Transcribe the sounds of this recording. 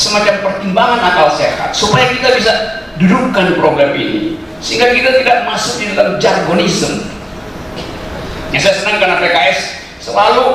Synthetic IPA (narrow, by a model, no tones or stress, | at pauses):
səmat͡ʃampərt̪imbaŋanakalseaha̰t̪̚supajakit̪abis̬a | dudukːanpɾoɡɾamḭnḭ | səɦiŋɡakit̪at̪idaʔ̚masʊk̚didalamd͡ʒarɡonisəm | jasajasənaŋkanapekaɛs | səlalu